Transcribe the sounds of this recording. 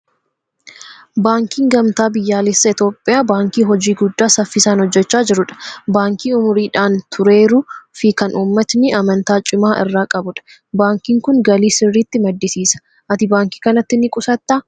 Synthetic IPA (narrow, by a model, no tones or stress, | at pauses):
baːŋkiːŋɡɐmt̪aːbɪjːaːlɪsːɐɪt̪o̞ːpʼːɪjaːbaːŋkiːɦɔd͡ʒiːɡʊd̪ːaːsɐfːɪsaːnhɔd͡ʒːɛt͡ʃːaːd͡ʒɪɾʊᶑɐ̥baːŋkiːʊmʊɾiːᶑaːnt̪ʰʊɾe̞ːɾʊfɪkɐnuːmːɐt̪nɪʔɐmɐnt̪aːt͡ʃʼɪmaːʔɪ̰rːaːkʼɐbʊᶑɐ̥ | baːŋkiːŋkʊŋɡɐliːsɪrːiːt̪ːɪmɐd̪ːɪsiːsɐ̥ | ʔɐt̪ɪbaːŋki̥ːkɐnɐt̪ːɪnɪkʼʊsɐt̪ːaː